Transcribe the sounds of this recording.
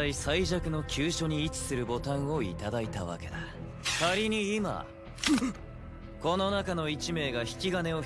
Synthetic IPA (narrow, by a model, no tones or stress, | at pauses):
aisaiʑakɯ̟no̞kʲɨːɕo̞ɲ̟iːt͡sɨ̥sɨɾɯ̟bo̞t̪ãɰ̃o̞ḭt̪ad̪ait̪a̰βa̰ke̞d̪a | kaɾʲiɲ̟iːma̰ | ko̞no̞nakano̞it͡ɕime̞ːɡaçi̥kʲiɡane̞o̞